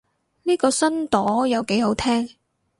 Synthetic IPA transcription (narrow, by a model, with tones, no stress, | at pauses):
niː˥kɔː˧sɐ˥nt̪ɔː˨˥jɐ˨˧wke˨˥jɦo˨˥wt̪ʰɛː˥ŋ